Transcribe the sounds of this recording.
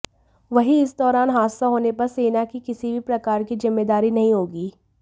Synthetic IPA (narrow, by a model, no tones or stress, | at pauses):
ʋɐɦiɪsd̪ɔːɾaːnɦaːsaɦoːnepɐɾseːnakikɪsibʱipɾɐkaːɾkizɪmːeːd̪aːɾinɐɦĩɦoːɡiː